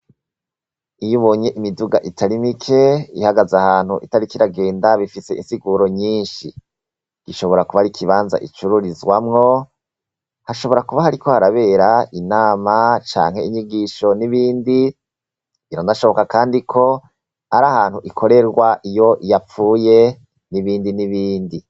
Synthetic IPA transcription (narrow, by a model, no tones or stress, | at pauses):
ijuβo̞ːɲe̞ʔimiduɡa̰ʔitʰaɾimikʰe̞ihaɡazahaːn̥huʔitaɾikiɾaɡe̞ːndaβifise̞̰ʔinsiɡuɾo̞ɲiːnʃi | ɡ̥iʃoβo̞ɾakuβaɾikʰiβaːnza̰ʔḭt͡ʃuɾuɾizwamŋo̞ | haʃo̞βo̞ɾakuβahaɾiko̞haɾaβe̞ɾainaːmat͡ʃa̰ːŋhe̞iɲiɡiːʃo̞niβiːndi | iɾonaʃo̞βo̞kakaːndikʰo̞ | aɾahaːn̥huʔikʰo̞ɾe̞ɾɡwaʔijo̞ʔijap͡fuːje̞ | niβiːndiniβiːndi